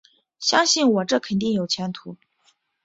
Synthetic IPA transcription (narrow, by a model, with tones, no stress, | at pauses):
ɕjɑ˥ŋɕi˥˩nwɔ˨˩ʈ͡ʂɤ˥˩kʰə˨˩nt̪̬i˥˩ŋjo˨˩ʊt͡ɕʰjɛ˧˥nt̪ʰu˧˥